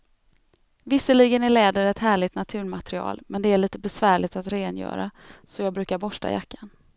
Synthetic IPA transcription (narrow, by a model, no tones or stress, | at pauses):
vɪsəliɡənæɭɛːd̪əɾɛt̪hæːɭɪt̪nat̪ʰʉ̟ːɾmat̪ɾɪɑ̰ːlmʔɛnd̪ɛæɭiːt̪əbɛsvæːɭɪt̪at̪ɾeːnjœ̰ːɾa̰ | sɔjɑːɡbɾʉ̟ːkaɾbɔʂʈa̰ja̰kːan